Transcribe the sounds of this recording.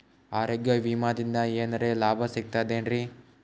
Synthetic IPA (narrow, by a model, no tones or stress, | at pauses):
aːɾeɡjɐʋiːmaːd̪ind̪ɐeːnɐɾeːlaːbʱɐsik̚t̪aːjd̪eːnɾi